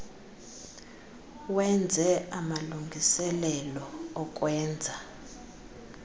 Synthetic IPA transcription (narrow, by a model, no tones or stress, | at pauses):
wɛnd͡zʱɛamaluŋɡʱisɛlɛlɔɔk̬ʼwɛːnd͡zʱa